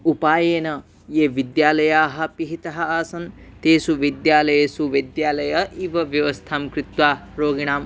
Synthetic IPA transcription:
upaːjeːnɐ | jeːʋid̪jaːlɐjaːɦɐ̆piɦit̪ɐɦɐ̆aːsɐnt̪eːsuʋid̪jaːlɐjɐsuʋid̪jaːlɐjɐʔiʋɐʋjɐʋɐst̪ʰaːmkɾit̪ʋaːɾoːɡiɳaːm

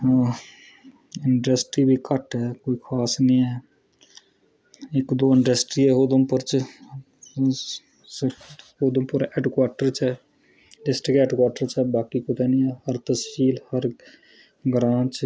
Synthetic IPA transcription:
ɪɳɖəsʈɾiːbʱikəʈɦɛːkoːikʰaːsnĩɛː | ɪkd̪oːɪɳɖəsʈɾiːɦɛːɦod̪əmpʊɾt͡ʃ | sɪɾod̪əmpʊɾɛːɖkwaːʈəɾt͡ʃɛː | ɖɪsʈəkɛːɖkwaːʈəɾt͡ʃɛːbaːkikʊt̪ɛnĩɛːhəɾt̪əskiːlhəɾ | ɡɾãːt͡ʃ

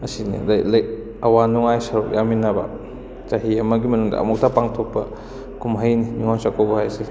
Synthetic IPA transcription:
ɐsinḭlajlɐj | ɐwanuŋajsɐɾuʔjaminːaba̰ | t͡ʃaɦiɐmaɡimɐnuŋda̰ʔɐ̰mɔk̚tʰapaŋtʰɔk̚pːɐ | kumɦɐjninuŋansakobɐhajsi

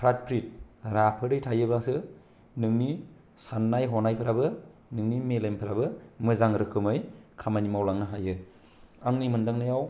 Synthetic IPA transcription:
pʰɾat̚pʰɾit̚ɾapʰɯɾɯjtʰajɯbasɯ | nɯŋni | sanːajɦɔnajpʰɯɾabɯnɯŋnimelempʰɯɾabɯmɯzaŋɾɯkʰɯmɯjkʰamanimawlaŋnɯɦajɯ | aŋnijmɯndaŋnajaw

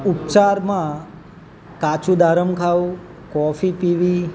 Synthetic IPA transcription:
upt͡ʃaɾmã | kat͡ʃũd̪aɾəmkʰaʋu | kɔfipiʋi

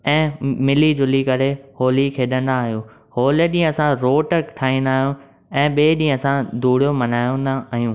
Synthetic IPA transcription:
ɛ̃ːmɪlid͡ʑʊlikɐɾehoːlikʰeːɗə̃nd̪aːɦijũː | hoːləɗĩːə̃ɐsãɾoːʈəkʈʰaːĩːnd̪aːɦijũ | ɛ̃ːɓeːɗĩːə̃ɐsãd̪ʱuːɽ̤ijomɐnaːjõnd̪aaːɦijũː

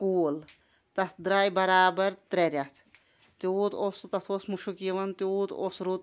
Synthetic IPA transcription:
kuːl | t̪ɐt̪ʰd̪ɾaːjbɐɾaːbɐɾt̪ɾeɾʲjɐt̪ʰ | t̪iuːt̪ʰost̪ɐt̪ʰosmuʃukiɐʋɐnt̪iuːt̪o̰sɾut̪

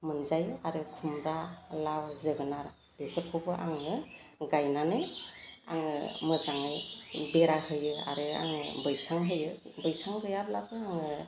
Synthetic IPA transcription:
mɯnzajɯaɾɯkʰumɾalawzɯɡɯnaɾa | b̥ikʰɯɾ̚kʰubɯʔaŋɯɡajnanɯa̰ŋɯ̰mɯzaŋɯjbeɾahɯjɯa̰ɾɯa̰ŋɯ̰bɯjsaŋɦɯjɯ | bɯjsaŋbɯjablabɯaŋɯ

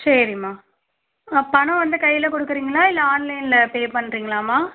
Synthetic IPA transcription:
sɐɾɪmaː | pɐɳɐ̃ʋɐnd̪ɐkɐjːɪlɐkɔɽɯkːɯɾiːŋɡɐlaːɪlːɐaːnlɐɪnɪlɐpeːpɐɳːɾiːŋɡɐlaːmaː

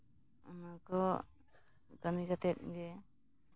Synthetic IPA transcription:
ɔ̰nakɔ | ɡamiɡat̪ɛt̪̚ɡɛ

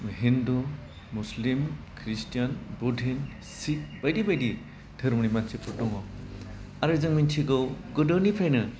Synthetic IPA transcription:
ɦindu | muslimkʰɾistjanbudʱin | sik̚bajdibajdi | dʱɯɾmunimansʰepɔtɔŋɔ | aɾɯzɯŋmint͡ʃʰiɡɔwɡɔdɔnipʰajnɯ

